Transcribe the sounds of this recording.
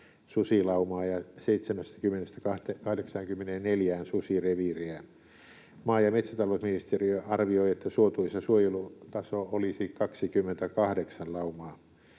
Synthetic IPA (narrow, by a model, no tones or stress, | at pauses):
susilɑumɑːjɑseit̪semæst̪æ̥kymːenest̪ækɑht̪ekɑhdeksɑŋkymːenenneljæːnsusireʋiriæ | mɑːjɑmet̪sæt̪ɑlousminist̪eriøɑrʋioiet̪ːæsuot̪uisːɑsuojelut̪ɑsoolisiːkkɑksikymːent̪ækɑhdeksɑllɑumɑː